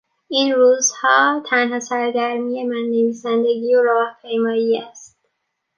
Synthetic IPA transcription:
iːnɾuːzhɒːt̪ʰænɦɒːsæɾɡæɾmije̞mænːeviːsænd̪e̞ɡiːoɾɒːhpʰe̞jmɒːjiːæst̪̚

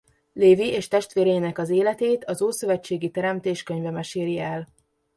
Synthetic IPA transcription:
leːviʔeːʃt̪ɛʃt̪ʋeːɾɛjinɛkɒzeːlɛt̪eːt̪ɒzoːsø̞vɛt͡ʃːeːɡit̪ɛɾɛmt̪eːʃkø̞ɲvɛmɛʃeːɾiɛl

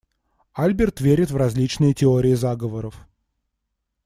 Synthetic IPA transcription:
alʲbʲɪrt̪vʲeɾʲɪt̪vrɐzʲlʲit͡ɕnɨjətʲɪoɾʲɪɪzaɡəvəɾəf

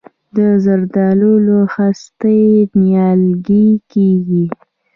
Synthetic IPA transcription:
d̪əzaɾd̪ɑluloxast̪ənjɑlɡikeɡi

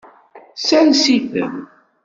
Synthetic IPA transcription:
sænsiθə̰m

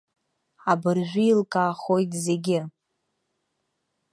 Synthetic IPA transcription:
abɨrʒᶣʷʊilkʼaːχo̞jtʼze̞ɡʲɪ

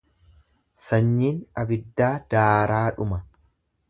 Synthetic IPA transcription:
sɐɲːiːnɐbɪd̪ːaːd̪̥aːɾaːᶑʊmɐ

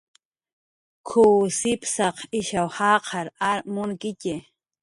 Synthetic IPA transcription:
kʰuːsɪpsɑqɪʃawhɑːqʰɑɾaɾmʊŋkɪce

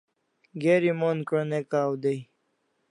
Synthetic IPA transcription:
ɡeɾimonkɾonekaːwd̪ej

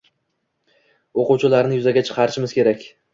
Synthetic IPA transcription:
oqʊwt͡ʃʰɪlaɾnɪjʊzaɡʲat͡ʃʰɨ̥qʰɑɾɪʃɪmɪzkʲʰe̞ɾakʲ

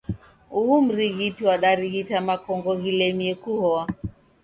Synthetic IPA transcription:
uum̩ɾiɣitiwaɗaɾiɣitamakɔŋɡɔɣilɛmiɛkuhɔa

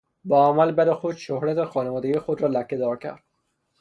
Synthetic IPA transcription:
bɒːæmælbæɾexod̪ʃohɾæt̪ʰexɒːnevɒːd̪eɡijexod̪ɾɒːlækʰːed̪ɒːɾcʰæ̰ɾd̪̥̚

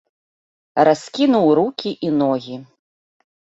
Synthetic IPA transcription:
ɾaskʲinuwɾukʲiʔinɔɣʲi

